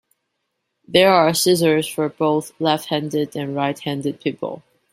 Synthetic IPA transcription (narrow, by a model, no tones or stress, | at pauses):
ðə˞asɪzə˞z̥fə˞boʊθlɛft̚hæ̃ndɪdɨ̃nɹaɪt̚hæ̃ndɨd̚pʰipʰə̰l̩ˠ